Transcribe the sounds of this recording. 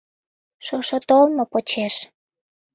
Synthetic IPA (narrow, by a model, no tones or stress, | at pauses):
ʃoʃot̪olmopot͡ɕeʃ